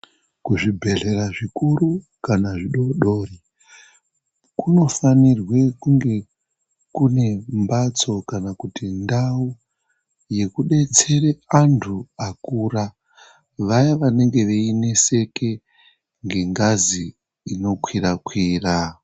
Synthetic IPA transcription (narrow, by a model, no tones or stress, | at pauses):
kuʐibʱe̞ɮe̞ɾaʐikuru | kanaʐiɗo̞ɗo̞ːri | kuno̞fanirwe̞kuŋɡe̞ | kune̞mbat͡so̞kanakutindau | je̞kuɗe̞t͡se̞reantʰuakuːɾa | ʋajaʋane̞ŋɡe̞ʋeine̞se̞ke̞ | ŋɡe̞ŋɡaziː | no̞kwiɾakwiːra